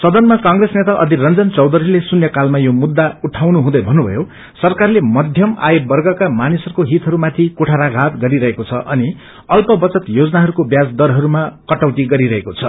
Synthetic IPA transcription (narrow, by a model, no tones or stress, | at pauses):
sʌd̪ʌnmakaŋɡresnet̪aʔʌ̰d̪ʱirʌnd͡zʌnt͡sʌwd̪ʌɾilesunjʌkalmajomud̪ːauʈʰawnuɦũd̪ʌjbʱʌnːubʱʌ̰jo | sʌrkarlemʌd̪ʱjʌma̰jebʌrɡʌkamanisʌɾukoɦit̪ɦʌɾumat̪ʰikoʈʰaɾaɡʱat̪ɡʌɾiɾʌɦekot͡sʰʌʔʌni | ʌlpʌbʌt͡sʌt̪jod͡zʌnaɦʌɾukobjad͡zd̪ʌɾɦʌɾumakʌʈʌwt̪iɡʌɾiɾʌɦekot͡sʰʌ